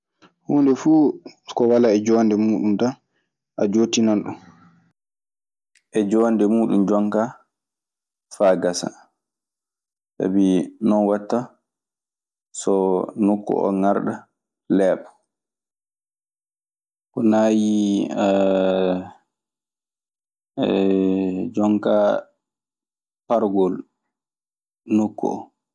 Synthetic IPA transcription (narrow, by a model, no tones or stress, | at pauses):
huːndɛfuːkɔwalaɛd͡ʒɔndɛmuːɗumta | ʔad͡ʒoːtinanɗṵn | ʔɛd͡ʒɔndɛmuːɗumd͡ʒɔŋka | faɡasa̰ | sa̰binɔnwatːa | sɔnokːɔ̰ʔɔ̰ŋaɾɗa | lɛːɓɔ | kɔnaːji | d͡ʒɔŋka | paɾɡɔl | nokʰːɔ̰